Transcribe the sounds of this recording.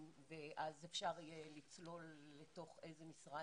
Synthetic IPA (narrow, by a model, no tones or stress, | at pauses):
veʔazefʃaʁijelit͡slo̞lːeto̞χe̞jzemisʁa